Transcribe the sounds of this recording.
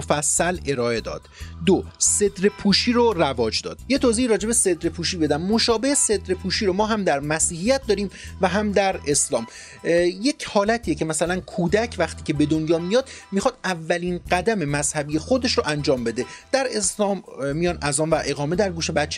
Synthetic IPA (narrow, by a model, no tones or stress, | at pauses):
fæsːæle̞ɾɒːe̞d̪ɒ̰ːd̪̥d̪ose̞d̪ɾepʰuːʃiːɾorævɒːd͡ʒd̪ɒ̰ːd̪̥je̞t̪ʰoːziːiɾɒːd͡ʒe̞be̞se̞d̪ɾepʰuːʃiːbe̞d̪æmːoʃɒːbe̞hese̞d̪ɾepʰuːʃiːɾomɒːɦæmd̪æɾmæsiːhijæt̪̚d̪ɒːɾiːmvæɦæmd̪æɾe̞slɒːm | je̞cʰhɒːlæt̪ʰiːjecʰe̞mæsælænkʰuːd̪æcʰvæxt̪ʰiːcʰe̞be̞d̪onjɒːmijɒːd̪̥mixɒːd̪ævːæliːnɢæd̪æme̞mæz̥hæbije̞xo̞d̪e̞ʃɾoʔænd͡ʒɒːmbe̞d̪e̞d̪̥æɾe̞slɒːmːijɒːnʔæzɒːnvæʔe̞ɣɒːme̞d̪æɾɡuːʃebæt̪t͡ʃʰːe